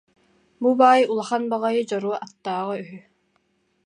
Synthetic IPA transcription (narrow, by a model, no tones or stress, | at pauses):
bubaːjulˠaχanbaʁajɯd͡ʑɔɾuɔʔat̪ːaːʁayɦy